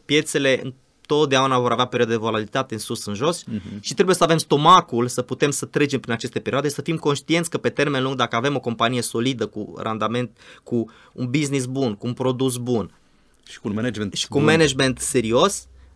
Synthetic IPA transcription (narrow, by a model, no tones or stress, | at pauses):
pje̞t̪se̞le̞ʔɨ̰n | t̪o̞t̪̚d̪eaunavo̞ɾaveape̞ɾioad̪ed̪evolalit̪at̪e̞ɨnsusɨnʒo̞sʃit̪ɾebuje̞səavemst̪o̞makulsəput̪e̞msət̪ɾe̞d͡ʒempɾinat͡ʃest̪e̞peɾioad̪esəfimko̞nʃt̪ient̪sʲkəpe̞t̪e̞rme̞nluŋɡ̚d̪akəave̞mo̞ko̞mpanije̞so̞lid̪əkṵrʔa̰nd̪ame̞nt̪ku | unbiznis̬bunkuːnpɾo̞d̪us̬bun | ʃi̥ued͡ʒeʃi̥kunmened͡ʒme̞nt̪se̞ɾio̞s